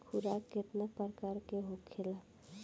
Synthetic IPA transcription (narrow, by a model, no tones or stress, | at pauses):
kʰuɾaket̪nəpəɾkaɾkeɦokʰela